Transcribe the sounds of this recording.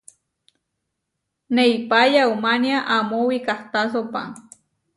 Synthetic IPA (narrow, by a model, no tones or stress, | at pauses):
neipajaumanjaʔamowikaht̪as̬opa̰ŋ